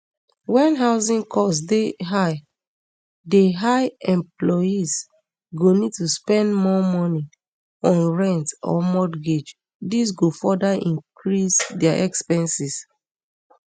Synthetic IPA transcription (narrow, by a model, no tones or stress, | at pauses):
wɛ̃nɦaʊsĩnkʰɔsdeɦaɪ | deɦaɪɛ̃mplɔis | ɡonid̚tuspɛ̃ndmɔmɔni | ɔ̃nɹɛ̃ntɔ̰mɔdɡed͡ʒ | dis̬ɡofɔdaʔĩŋkɹisdɛaʔɛkspɛ̃nsis